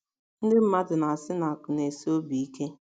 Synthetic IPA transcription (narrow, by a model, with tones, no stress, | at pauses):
n̩˦dɪ˦m̩˦ma˦dʊ˨na˨a˨sɪ˦na˨a˨kʊ˨ne˨si˦o˦bi˨i˦ke˦